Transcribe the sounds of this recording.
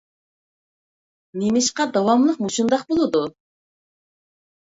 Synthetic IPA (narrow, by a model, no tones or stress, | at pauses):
nemɪʃqɑd̪ɑwɑmlˠəqmuʃund̪ɑqbolˠɨd̪u